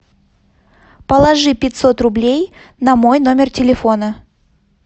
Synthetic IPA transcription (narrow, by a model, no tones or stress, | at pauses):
pəlˠɐʐɨpʲɪt̪ʲso̞t̪rʊblʲej | nɐmo̞jno̞mʲɪrtʲɪlʲɪfo̞nə